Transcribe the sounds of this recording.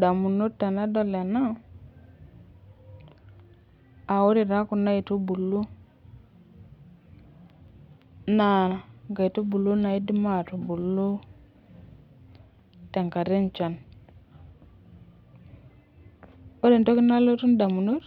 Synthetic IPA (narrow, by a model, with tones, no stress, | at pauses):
da˨mu˨nu˦ɾta˨na˦do˦le˨na˦ | a˨wo˦di˨ɾa˦ku˨na˦i˨tu˦bu˨lːu˦ | na˨ɡa˨i˨tu˦bu˨lːu˦na˨i˦di˦ma˨tu˨bu˨lːu˦ | te˨ŋka˨ɾi˦nt͡ʃa˨n | o˦di˦˨n˨to˦ki˦na˦lo˦tu˦nda˨mu˨nu˦t